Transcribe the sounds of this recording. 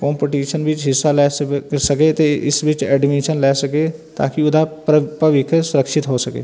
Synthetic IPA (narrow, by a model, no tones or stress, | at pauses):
kɔ̃ːmpeʈiːʃənʋɪt͡ʃɦɪsːalɛːsəket̪eʔɪ̰sʋɪt͡ʃɛːɖmiːʃənlɛːsəkeːt̪a̰ːkiʊd̪apəʋɪkʰsʊɾəkʃɪt̪ɦoːsəkḛː